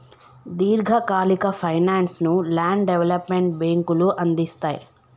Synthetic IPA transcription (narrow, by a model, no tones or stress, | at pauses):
d̪iːɾɡʱɐkaːlikɐpʰɐjnaːnsnulaːɳɖɖeʋelɐpmeɳʈ̚beːŋkuluʔɐnd̪ist̪aːjḭ